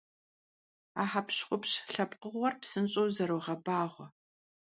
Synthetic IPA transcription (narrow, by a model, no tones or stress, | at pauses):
aːħapɕχʷʊpɕɬɐpʼqəʁʷɔrpsɨnɕʼowzɐɾoːʁɐbaːʁʷɔ